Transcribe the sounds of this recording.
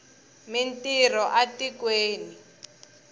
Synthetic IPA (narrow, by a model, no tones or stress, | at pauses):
mintirɔʔatikweːni